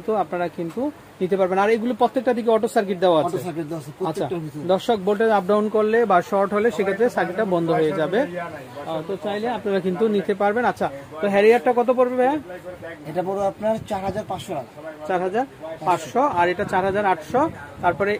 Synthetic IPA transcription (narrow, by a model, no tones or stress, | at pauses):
t̪uapnaɾakint̪u | nit̪epaɾbenaɾeɡulipɾot̪ːek̚ʈad̪ʱik̬eɔʈosaɾk̬eʈ̚d̪eoaoekd̪atːʰad̪ɔɾʃok̚bolʈ̬eap̚ɖawnkoɾlebaʃɔɾʈɦoleʃekʰet̪ːɾesaɾkeʈːabɔnd̪ʱoɦoed͡ʑabe | ɔt̪ot͡ɕajleapnaɾak̬int̪unit̪epaɾbenatːɕʰat̪oɦɛɾiaʈʈːakɔt̪̬opoɾbebɛaeʈapɔɾoapnaɾt͡ɕaɾɦad͡ʑaɾpasʃoa | t͡ɕaɾɦad͡ʑaɾpasʃɔaɾeʈat͡ɕaɾɦad͡ʑaɾaʈʃɔt̪aɾpɔɾe